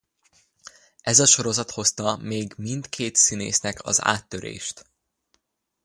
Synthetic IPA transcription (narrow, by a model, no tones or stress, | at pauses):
ɛzɒʃo̞ɾo̞zɒt̪ho̞st̪ɒmeːɡmind̪kʰeːt̪sinḛːsnɛkʰɒ̰za̰ːt̪ːøɾḛːʃt̪